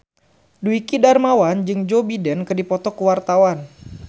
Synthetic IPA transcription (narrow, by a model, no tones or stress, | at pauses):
duikidarmawand͡ʒɨŋd͡ʒobidɛnkɨdipɔt̪ɔkəwart̪awan